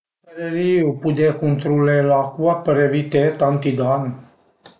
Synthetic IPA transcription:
eɾeɾiopud̪ekunt̪ɾulelakuapəɾevit̪et̪ant̪id̪an

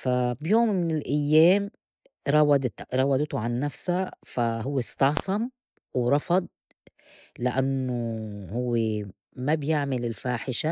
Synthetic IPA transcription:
fabjoːmːɪnɪlʔajːeːm | ɾˤɑwɑd̪ɾˤɑwɑd̪t̪uʕanːafsafaɦʊwːest̪ɑʕsˤɑm | wɾˤɑfɑd̪̚ˤ | lɪʔanːohʊwːe | mabjɪʕmɪlɪlfaːħɪʃa

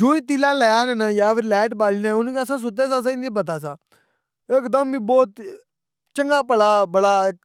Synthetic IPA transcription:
d͡ʒoːiːt̪ɪlãːlɛjaːnnãjaːpʰɪɾlɛːʈbaːliːnẽːʊnkeːəsãːs̬ʊt̪eːsãːs̬əĩːnẽːbət̪̬aːsãː | ɪkd̪əmĩːbɔːt̪ | t͡ʃəŋɡaːpəlaːbəɽaːɪk

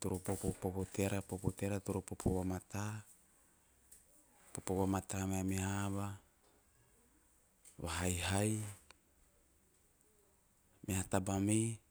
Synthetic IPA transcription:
t̪uɾopopopopot̪eɾapopoteɾat̪uɾopopoβamat̪a | popoβamat̪ameamihaβa | βaɦajɦaj | mehat̪abami

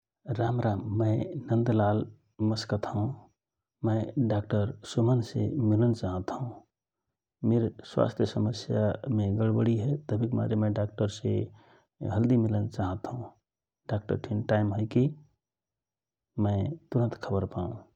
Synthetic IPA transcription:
ɾamɾamːəɪnənd̪lal | məskət̪ɦũ | mə̃ɪɖak̚ʈəɾsumənsḛmilənt͡ʃaɦət̪ɦũ | meɾswa̰st̪ʰjəsəməsjameɡəɽbəɽiɦɛt̪əbʱikma̰ɾemə̃ɖak̚ʈəɾsḛ | ɦəld̪imilənt͡ʃaɦət̪ɦũ | ɖak̚ʈə̰ɾʈʰinʈajmɦəjki | mət̪uɾə̃nt̪kʰəbəɾpaũ

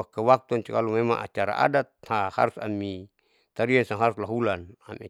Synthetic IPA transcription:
akawak̚t̪uaɲt͡ʃukalumema̰ŋa̰t͡ʃaɾa̰ʔa̰dat̪̚haha̰ɾusa̰mi | t̪aɾiansaŋɦaɾuslaɦulanama̰

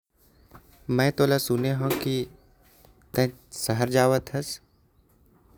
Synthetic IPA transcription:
mɛ̃ːt̪oːlasʊneɦõki | t̪ɛ̃səɦəɾd͡ʒaːʋət̪ʰɦɐs

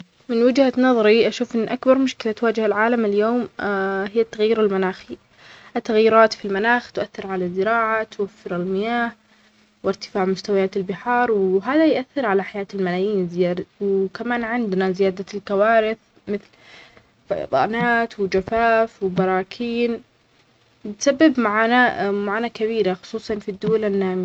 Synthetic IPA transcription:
mɪnwɪd͡ʒhanɑðˤɑɾiʔaʃuːfʔɪnːʔakbɑɾˤmʊʃkɪlat̪waːd͡ʒhalʕaːlamɪljoːmhɪjːat̪ːaɣjiːɾalmanaːxi | ʔat̪ːaɣjɪɾˤɑːt̪filmanaːxt̪ʔaθːɪɾʕalazːɪɾɑːʕat̪wafːɪɾɪlmɪjaːh | wɪɾt̪ɪ̥faːʕmʊst̪awajaːt̪ɪlbɪħɑːɾˤwɦaːðajʔaθːɪɾʕalaħajaːt̪ɪlmalaːjiːnzɪjaːdwkamaːnʕɪnd̪nazɪjaːd̪alkawaːɾɪθ | mɪθl | fd̪ˤɑ̰ːnaːt̪wɪd͡ʒafaːfwbɑɾˤɑːkʰiːn | ɪt̪sabːɪbmaʕaːnamaʕaːnakaβiːɾaxʊ̥sˤuːsˤɑnfid̪ːʊwalanːaːm

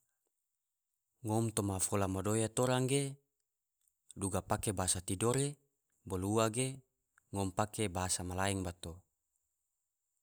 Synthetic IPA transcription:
ŋɔmt̪omafolamadojat̪oɾaŋɡe | duɡapakebaɦasat̪idoɾe | boluaɡe | ŋɔmpakebaɦasamalaɛŋbat̪o

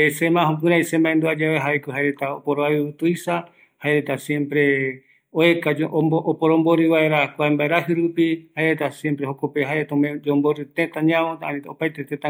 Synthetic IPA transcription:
esemãɦõp̬ɨ̃ɾãisembaend̪uad͡ʒaβeɦaekoɦaeɾet̪aopoɾoaɨɨt̪uisa | haeɾet̪asjẽ̞mpɾe̞ | oekaoʔopoɾõmboɾɨβaeɾakʷaembaeɾaɦɨɾupihaeɾet̪asjempɾehokopeɦaeɾet̪omd͡ʒõmboɾɨt̪ẽt̪ãɲãoaopajt̪et̪ẽt̪ã

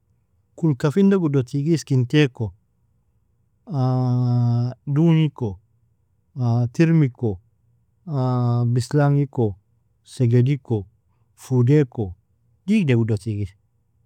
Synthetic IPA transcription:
kulkafindaɡudotiɡiskinteko | a | duniko | atiɾmiko | abislaŋiko | seɡediko | fudeko | dikdeɡudotiɡis

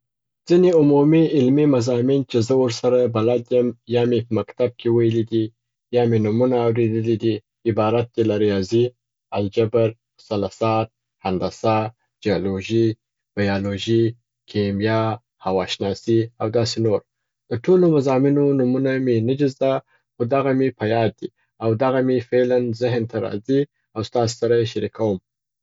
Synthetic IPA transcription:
d͡z̥ineʊmumiɪlmimazɑmint͡ʃezəwəɾsaɾabalad̪jəmjɑmepəmakt̪ab̚kʰewajəlid̪i | jɑmenumunaːwɾed̪əlid̪i | ɪbɑɾat̪̚d̪elaɾjɑzi | ald͡ʒabaɾ | salasɑːt̪̚ | hand̪asɑ | d͡ʒijaloʒi | b̥ajɑloʒi | kʰemjɑ | hawɑʃnɑsiawd̪ɑs̬enoɾ | d̪̥əʈʰolomazɑminonumunamenad͡ʒɪzd̪a | xod̪aɣamepʰajɑd̪̚d̪i | awd̪aɣamefelanzɪɦnt̪ʰaɾɑ̰zi | awst̪ɑse̥saɾajeʃaɾikʰawəm

